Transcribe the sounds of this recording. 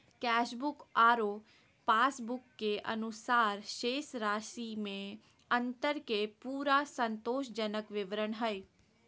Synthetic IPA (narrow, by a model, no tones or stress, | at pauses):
kɛːʃbʊkaːɾoː | paːsbʊkːeʔɐ̰nʊsaːɾʃeːsɾaːʃimẽ | ɐ̃nt̪əɾkepuːɾasə̃nt̪oːʃd͡ʒənəkʋɪʋɾəɳɦɛe